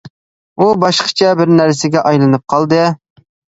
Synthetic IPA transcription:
ubɑʃqʰə̥t͡ʃʰɛbɪɾnæɾsɪɡʲɛʔɑjlˠɨnɨp̚qʰɑlˠd̪ɨ

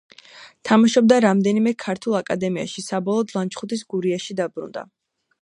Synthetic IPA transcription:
t̪ʰamaʃɔb̚d̪aɾamd̪ɛnimɛkʰaɾt̪ʰulˠakʼad̪ɛmia̰ʃisabɔlˠɔd̪lˠant͡ʃχut̪ʰisɡuɾiaʃid̪abɾṵnd̪a̰

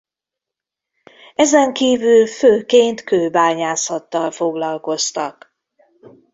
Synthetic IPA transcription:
ɛzɛŋkiːvylføːkeːnt̪køːbaːɲaːsɒt̪ːɒlfo̞ɡlɒlko̞st̪ɒk

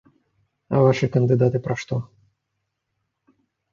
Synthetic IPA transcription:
ɐ̰vaʂɨkɐnd̪ɨd̪at̪ɨpɾɐʂt̪ɔ

